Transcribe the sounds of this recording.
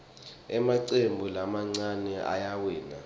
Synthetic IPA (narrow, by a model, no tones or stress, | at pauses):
ɛmaǀembʱulamaŋ͡ǀanɛa̰jawɛːna̰